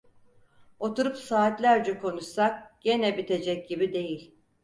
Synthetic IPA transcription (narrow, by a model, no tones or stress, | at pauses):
o̞t̪uɾupsaːt̪lʲæɾd͡ʒɛkʰo̞nuʃsak̚ɟ̥e̞nɛbit̪ʰe̞d͡ʒɛc̚ɟibid̪e̞jilʲ